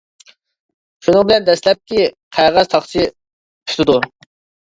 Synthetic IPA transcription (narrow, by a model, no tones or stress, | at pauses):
ʃunɨŋbɪlɛnd̪ɛslɛp̚kʲiqʰæʁæz̥t̪ʰɑχt͡ʃʰi | pʰy̥t̪ɪd̪u